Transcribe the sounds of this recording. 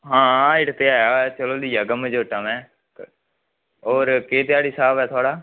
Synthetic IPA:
ɦãːɪɽt̪eːaːjaːt͡ʃəloːliːəɡəməd͡ʒoːʈaːmɛ̃ː | oːɾkeːt̪ɪjaːɽiːsaːbɛːt̪ʰʊaːɽaː

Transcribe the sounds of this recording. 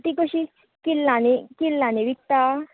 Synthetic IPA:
t̪ikoʃi | kilːãnekilːãneʋik̚t̪a

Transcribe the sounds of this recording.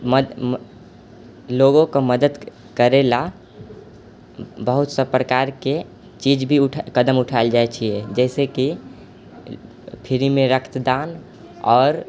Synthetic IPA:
md̪ | loɡõkɔməd̪əd̪ | kəɾela | bəɦut̪sə̃pɾəkaɾke | t͡ʃid͡ʒbʱiuʈʰkəd̪əmuʈʰaeld͡ʒaet͡ʃʰijed͡ʒɛɪseki | pʰiɾimeɾəkʰt̪d̪an | ɔːɾ

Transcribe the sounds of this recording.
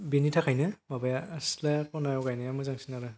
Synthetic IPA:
benitʰakʰajnɯbabajaslapɔnajɔkajnɯjamɯzaŋsinaɾɯ

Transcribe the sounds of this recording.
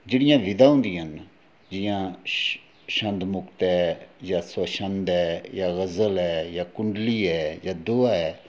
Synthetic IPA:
d͡ʒeːɽɪjãːʋɪd̪aːɦʊ̃nd̪ijaːn | d͡ʒɪjãː | ʃənd̪mʊkt̪ɛːjaːsəʃənd̪ɛːjaːɣəzəlɛːjaːkʊɳɖliːɛːjaːd̪oːaːɛː

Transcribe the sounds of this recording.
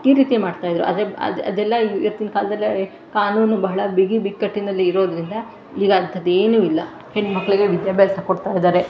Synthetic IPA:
iːɾiːt̪imaːɖt̪aːjid̪ɾṵɐ̰d̪ɾeɐ̰ɐ̰d̪ɛlːɐiʋɐt̪ːinɐkaːlɐd̪ɐlːi | kaːnuːnubɐɦɐɭɐbiɡibikːɐʈːinɐlːiːɾo̞ːd̪ɾind̪ɐ | iːɡɐɐnt̪ʰːɐd̪eːnuːilːɐ | heɳɖmɐkːɐɭiɡe̞ʋid̪jaːbɛːlsɐkoɽt̪aːjid̪aːɾe̞

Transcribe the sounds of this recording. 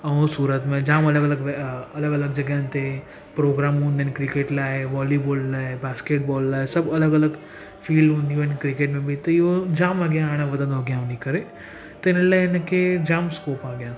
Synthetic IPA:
ɐũsuːɾət̪mẽd͡ʒãːmɐləɡələɡʋɐləɡələɡ̚d͡ʒɐɡjãːnt̪e | pɾoːɡɾaːmɦũːnd̪enkɾikeːʈlaːɦeʋɔːliboːlɖlaːɦebaːskeːʈ̚bɔːlːaːesɐbɐləɡɐləɡ | fiːlɖɦũnd̪iʋenkɾikeːʈmẽbʱit̪ɐjod͡ʒãːmaːɡjãaːɽ̃ẽʋɐd̪ə̃nd̪oɡjãːʋnikɐɾe | t̪ɐɪnəlaɪnked͡ʒaːmskoːpaːɡjãːn

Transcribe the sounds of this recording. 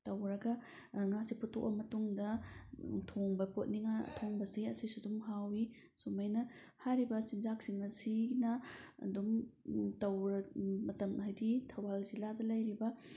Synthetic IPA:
tɐwɾɐɡɐ | ŋasiputʰoʔ̚bɐmɐtuŋdɐ | tʰoŋbɐpot̚niŋa̰tʰoŋbɐsiɐsojsudumɦawi | sumajnɐ | haɾibɐsinzak̚siŋnɐsinɐɐ̰dumtɐwɾɐmɐtɐmɦajditʰɐwalziladɐlɐjɾibɐ

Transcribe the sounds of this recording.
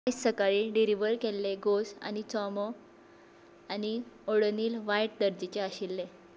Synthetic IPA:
aisːəkaɭiːɖiɾiʋəɾkelːeɡosa̰nit͡sɔmə | anioɽniːlʋajʈ̚d̪əɾd͡ʑit͡ɕeaɕilːe

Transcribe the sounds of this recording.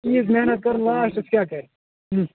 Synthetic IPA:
iːzmeɦnət̪̚kɐɾnlaːʃʈɪskʲjaːkɐɾẽ

